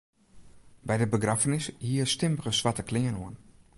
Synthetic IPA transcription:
bɛjdəbəɡrafənɪshiərstɪmərəsʋatəklɪŋənoən

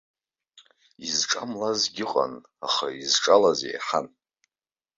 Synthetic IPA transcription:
izʈ͡ʂʼamlazɡʲɪqʼa̰n | aχaizʈ͡ʂʼalazḛjħan

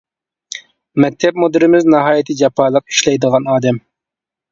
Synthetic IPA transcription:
mɛk̚ʲt̪ʰɛp̚mod̪ɪɾɪmɪznɑɦɑːjit̪ʰɨd͡ʒɑpʰɑlˠəq̚i̥ʃlɛjd̪əʁɑnɑːd̪ɛm

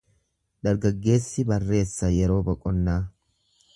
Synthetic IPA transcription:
d̪ɐɾɡɐɡːe̞ːsːɪbɐrːe̞ːsːɐjɛɾo̞ːbɐkʼɔnːaː

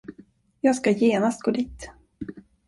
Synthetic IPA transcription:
jɑːskajeːnast̪̚ɡ̥oːd̪iːt̪

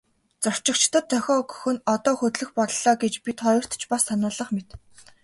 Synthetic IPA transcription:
t͡sɔr̥t͡ɕɪ̆kt͡ɕt̪ə̆t̪ʰːœxʲɔːɡɵ̥xɵ̆nɔt̪ɔːxɵt̪ɮɵ̆xpɔɮɮɔːɡet͡ɕpit̪χɔjɞ̆r̥t̪t͡ɕpassanʊːɮə̆χmet̪

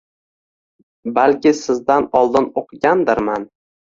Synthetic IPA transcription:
balkʲɪsɪzd̪anɒlˠd̪ɪnoqʰɨɡʲand̪ɪɾman

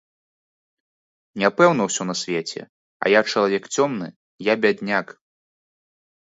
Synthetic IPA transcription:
nʲapɛwnɐwsʲɔnɐsʲvʲet͡sʲɛ̰ | ɐ̰jat͡ʂɐlˠavʲɛkt͡sʲɔmnɨ | jabʲad̪ʲnʲak

